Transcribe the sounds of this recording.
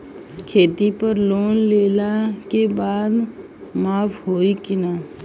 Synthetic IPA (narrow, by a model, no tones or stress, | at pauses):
kʰeːt̪ipəɾloːnleːlakebaːd̪ | maːpʰɦoːikinaː